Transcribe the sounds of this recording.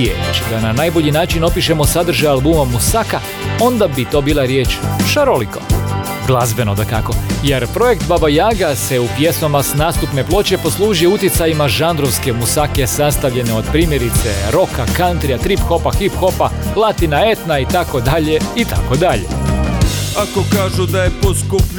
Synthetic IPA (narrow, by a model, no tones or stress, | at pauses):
jḛt͡ʃd̪ananajbo̞ʎinaːt͡ʃino̞piʃe̞mo̞sad̪r̩ʒajalˠbumamusaka | o̞nd̪abit̪o̞ːbiːlˠaɾje̞ːt͡ʃʃaɾoliko̞ | ɡlˠazbe̞nod̪akako̞je̞ɾpɾo̞je̞kt̪babajaːɡase̞upje̞smamasnaːst̪upne̞plˠo̞t͡ɕe̞po̞slˠuːʒijeut̪jit̪sajimaʒand̪ɾo̞ʋske̞musake̞sast̪aʋʎe̞neo̞d̪pɾiːmje̞ɾit̪se̞ɾo̞kakant̪ɾiat̪ɾipxo̞paxipxo̞paplˠat̪inae̞t̪nait̪ako̞d̪aʎe̞it̪ʰa̰ko̞d̪aʎe̞̰ | akokaːʒud̪ajeposkup